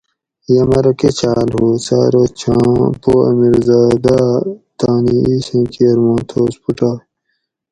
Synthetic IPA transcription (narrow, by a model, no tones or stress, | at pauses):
jɐmɐɾɐket͡ɕʰaːlhuːsa̰ːɾot͡ɕʰãpoːɐ̰miɾzaːd̪aːt̪aːniiːsẽːkiɐɾmõːnt̪ʰoːspuʈaː